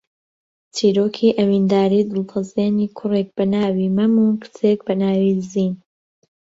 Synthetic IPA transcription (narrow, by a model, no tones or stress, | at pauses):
t͡sʰiːɾoːkʰiːʔɐwiːnd̪aːɾiːd̪ɨlˠqʰɨzeːniːkʰʊrek̚b̥ɐnaːwiːmɐmuːkɨ̥t͡seːk̚bɐnaːwiːziːn